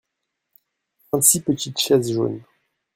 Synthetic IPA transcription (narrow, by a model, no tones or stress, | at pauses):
t̪ʁɑ̃t̪sipət̪it̪ʃɛzʒo̰ːn